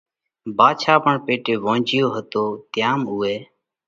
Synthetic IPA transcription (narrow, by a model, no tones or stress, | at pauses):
baːt͡ʃʰaːpəɳpeːʈeːʋõːd͡ʒɪjoːɦət̪oːt̪ɪjaːmuːeː